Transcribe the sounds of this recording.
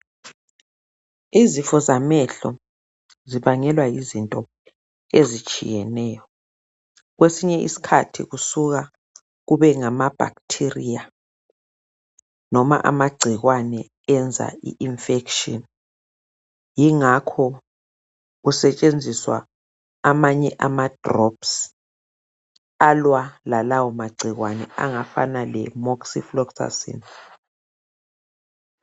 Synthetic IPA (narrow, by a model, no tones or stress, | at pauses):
izifɔzamɛɬɔ | ziβaŋɛlwajizintʼɔ | ezit͡ʃʼḭjɛnɛːjɔ | ɣwesiɲɛʔḭsi̥kʰatʰḭɣusuɣa | ɣuβɛŋamab̥ʱa̰ktʰirija | nɔma̰ʔa̰maɡ͡ǀʱiɣwanɛ | ɛnd͡zʱa̰ḭʔinfɛkʃɔn | jiŋakʰɔ | ɣusɛt͡ʃʼend͡zʱiswa̰ | amaɲɛʔamad̥rɔps | alwalalawɔmaɡ͡ǀʱiɣwanɛ̰a̰ŋafa̰nalɛmɔksiflɔksa̰sḭn